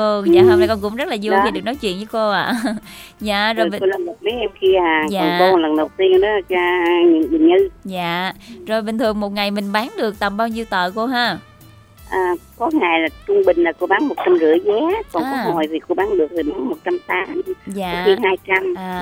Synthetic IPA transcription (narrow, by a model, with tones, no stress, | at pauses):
o˧ɲa̰ː˨hə˧wna˧˩jkɔ˨˩kʊ̰˧˥ŋ͡mzə˦˥t̚laː˨˩zu˧iː˨ɗɨ˨˩ə˩k̚nɔ˨˦jt͡ɕwḭ˧˨ənt͡ɕɨ˧˨˦ko˧aː˧˨zaː˧˨zo˨˩˨o˧lə˨˩nmo˨˩t̚mə˨˦ʔɛ˧mxi˧aː˨˩aːɔ˨˩n˨ko˧lə˨˩nɗə˨˩wt̪i˧əŋɗɔ˨˦˧a˧ɲɨ̰˧˨˦ŋɓï˨˩ŋ̟ɨ˧zaː˧˨zo˨˩jɓï˨˩ŋ̟t̪ʰɨ˨˩əŋmo˨˩t̚ŋa˨˩jmï˨˩ŋ̟ɓaː˨˦nɗɨ˨˩ək̚t̪ə˨˩mɓaː˧wɲi˧wt̪ə̰ː˧˨ko˧ɦaː˧ | ʔəː˨˩kɔ˨˦ŋa˨˩jlaː˨˩t͡ɕʊ˧ŋ͡mɓï˨˩ŋ̟laː˨˩ko˧ɓaː˨˦nmo˨˩t̚t͡ɕa˧mzɨ̰˧˩əzɛ˨˦kɔ˨˩nkɔ˨˦mɔ˨˩jvʰi˨˩ko˧ɓaː˨˦nɗɨ˨˩ək̚vi˨˩ɓaː˨˦nmo˨˩t̚t͡ɕa˧mt̪aː˨˦mzaː˧˨˦xi˧haː˧jt͡ɕa˧mʔaː˨˩